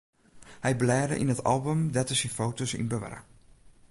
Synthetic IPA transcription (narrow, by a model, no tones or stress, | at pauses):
hɛjblɛːdə̰ʔinətʰɑ̰lˠbəmdɛtəsinfoːtosḭnbəʋɛ̰rə̰